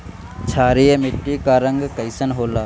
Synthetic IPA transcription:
t͡ʃʰaːɾijemɪʈːikaːɾəŋɡkəjsənɦoːlaː

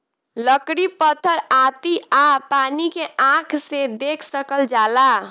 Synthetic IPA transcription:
ləkɽipət̪ʰəɾat̪iapanikeãkʰsed̪ekʰsəkəld͡ʒala

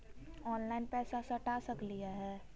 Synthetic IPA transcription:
ɔːnlaɪnpɛːsasɐʈasəklijaɦɛː

